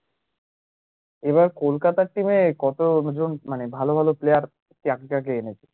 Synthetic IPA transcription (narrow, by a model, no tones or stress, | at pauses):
eβaɾkolkat̪aʈimekɔt̪od͡ʑonmanebʱalobʱaloplejaɾ | ʈiakikakeenet͡ɕʰe̥